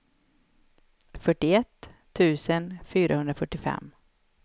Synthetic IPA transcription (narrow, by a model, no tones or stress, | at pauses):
fœʈːɪɛt̪ʰː | ʉ̟ːsənfyːɾahɵnd̪ɾafœʈːɪfɛ̰mː